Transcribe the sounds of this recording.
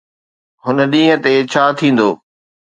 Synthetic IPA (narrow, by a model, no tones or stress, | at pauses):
ɦʊnə̆ɗĩːɦə̃t̪et͡ɕʰaːt̪ʰĩːn̆d̪o̰ː